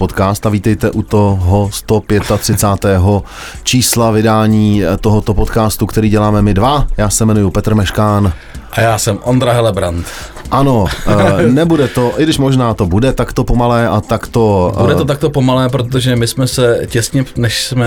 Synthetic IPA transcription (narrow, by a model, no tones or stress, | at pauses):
pot̪kaːst̪aviːt̪ɛjt̪ɛʔut̪o̞ɦo̞st̪o̞pjɛt̪at̪r̥ɪt͡saːt̪ɛːɦo̞ | t͡ʃiːslavɪdaːɲiːt̪oɦot̪o̞pot̪kaːst̪ukt̪ɛɾiːɟɛlaːmɛmɪdvajaːsɛmɛnujupɛt̪r̩mɛʃkaːn | ʔajaːsɛmʔond̪ɾaɦɛlɛbɾant̪ | ʔano̞ | nɛbudɛt̪o̞ʔɪɡɾdɪʃmo̞ʒnaːt̪o̞budɛt̪akt̪o̞po̞malɛːʔat̪akt̪o̞budɛt̪ot̪ak̚t̪opomalɛːpɾot̪oʒɛmɪsmɛsɛcɛsɲɛnɛʃsmɛ